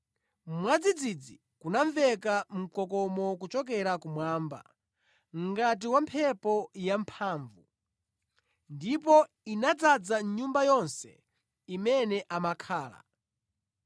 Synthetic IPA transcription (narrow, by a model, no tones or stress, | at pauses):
mwad͡zid͡zid͡zi | kunaɱvɛkam̩kɔkɔmɔkut͡ʃɔk̬ɛɾakumwaːmba̰ | m̩ɡat̬iwampʰɛpɔjampʰaːɱvu | ndipɔ | inad͡zad͡zaɲumbajɔnsɛ̰ | imɛnɛʔamakʰaːla̰